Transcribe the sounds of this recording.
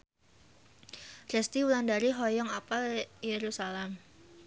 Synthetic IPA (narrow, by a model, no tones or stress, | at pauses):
rɛst̪iulandaɾiɦɔjɔŋapaljeɾusalɛm